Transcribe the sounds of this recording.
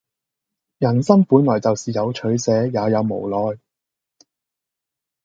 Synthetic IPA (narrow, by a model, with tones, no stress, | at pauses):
jɐ˨˩nsɐ˥ŋpuː˨˥nlɔː˨˩jt͡sɐ˨wsiː˨jɐ˨˧wt͡ʃʰɵ˨˥ɥsɛː˨˥jaː˨˧jɐ˨˧wmo̰˨˩wlɔː˨j